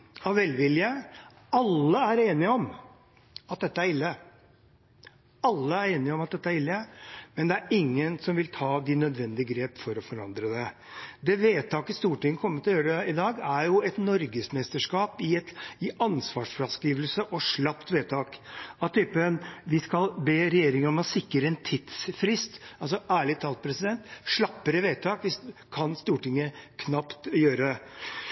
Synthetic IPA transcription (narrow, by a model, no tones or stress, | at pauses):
ɑʋʋɛlʋɪljə | ɑlːəæɾeːnɪɔm | ɑt̪̚d̪ɛt̪ːəæɾɪlːə | ɑlːəæɾeːnɪɔmɑt̪̚d̪ɛt̪ːəæɾɪlːəmɛnd̪ɛæɾɪŋːənsɔmʋɪlt̪ʰɑːd̪ɪnœd̪ʋɛnd̪ɪəɡɾeːpfɔɾɔfɔɾɑnd̪ɾəd̪ɛ | d̪ɛʋeːt̪ʰɑːkɪst̪uːʈɪŋːəkʰɔmːət̪ʰɪlɔjøːɾəɪd̪ɑːɡæɾjʊɛt̪nɔɾɡəsmɛst̪əʂkɑːpɪɛt̪ɪɑnsʋɑːʂfɾɑskiːʋəlsəʔɔʂɭɑpt̪ʋeːt̪ʰɑːkɑt̪ʰːyːpənʋɪskɑlbeːɾɛjeːɾɪŋəɔmɔsɪkːəɾəɛnt̪ʰɪt̪sfɾɪst̪ɑls̬ɔʔæːɭɪt̪ʰɑlt̪̚pʰɾɛsɪd̪ɛnt̪ʂɭɑpːəɾəʋeːt̪ʰɑːkʋɪskʰɑnst̪uːʈɪŋːəkʰnɑpt̪jøːɾɛ